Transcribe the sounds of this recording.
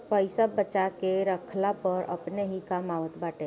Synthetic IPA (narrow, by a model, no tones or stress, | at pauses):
pəɪsabət͡ʃakeɾəkʰlapəɾə̰pneɦikamaːʋət̪baːʈe